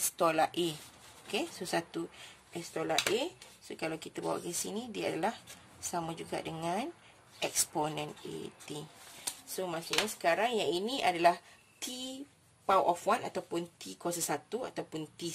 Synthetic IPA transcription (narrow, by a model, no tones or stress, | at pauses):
ɛst̪olaʔe | okesosat̪u | ɛst̪olaʔesokalawkit̪abawa̰ʔkəsinĩdiaadalah | samad͡ʒuɡa̰ʔdəŋãn | ʔɛksponɛ̃nḛt̪isomãsʊʔɲasə̥kaɾaŋjaŋinĩʔadalah | t̪i | pawʔɔfwana̰t̪awpʊnt̪ikɔsəsat̪ua̰t̪awpʊnt̪i